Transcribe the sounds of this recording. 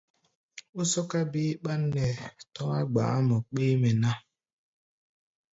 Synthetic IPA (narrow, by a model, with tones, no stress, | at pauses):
ʊ˦sɔ˦ka˦bi˦k͡pa˦n̩˦ne˨tɔ˦a˦ɡ͡ba̰˨a˦mʊ˨k͡pi˦me˨na˦